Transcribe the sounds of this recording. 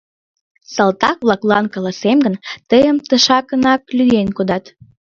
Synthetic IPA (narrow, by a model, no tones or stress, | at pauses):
sɑlt̪ɑk̚βlɑklɑnkɑlɑsemɡənt̪əjəmt̪əʃɑkənɑk̚lʲyjenkod̪ɑt̪